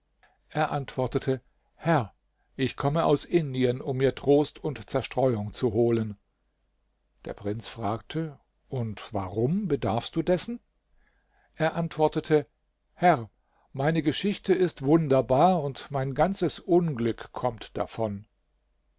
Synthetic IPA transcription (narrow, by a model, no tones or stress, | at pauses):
ʔeːɐʔantv̥ɔɐtətʰə | hɛʁ | ʔɪçkʰɔməʔaʊsʔɪndiənʊmːiːɐtʁ̥oːstʰʊntt͡sɛɐʃtʁ̥ɔʏʊŋt͡suɦoːlən | d̥ḛːɐpʁ̥ɪnt͡sfʁ̥aːk̚tʰə | ʔʊntv̥aʁʊmbədaɐfst̚d̥uːdɛsn̩ | ʔeːɐʔantv̥ɔɐtətʰə | hɛʁ | maɪnəɡəʃɪçtəɪstv̥ʊndɐbaːɐʊntmaɪnɡant͡səsʔʊnɡlʏkkʰːɔmtd̥a̰fɔn